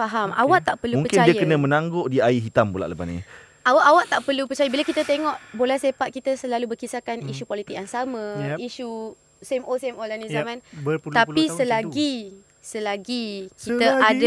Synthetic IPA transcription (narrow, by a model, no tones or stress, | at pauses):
faɦamawaʔt̪aʔpərlumuŋpəkt͡ʃandiəjkənə̃mə̃nãŋɡoʔdiaiɦit̪ambula̰ʔləpa̰nḭ | awaʔawaʔt̪aʔpərlupərt͡ʃajəbilakit̪ət̪eŋɔʔbolɛhsepat̪̚kit̪əsəlalubərkisakaniʃupolit̪ɪk̚ansamãiʃu | semosemolanĩamãnt̪apisəlaɡi | səlaɡikit̪əada